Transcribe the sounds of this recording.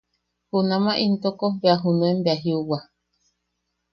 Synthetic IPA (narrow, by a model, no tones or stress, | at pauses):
hunãmaʔint̪okobeaɦunũembeaɦiuwa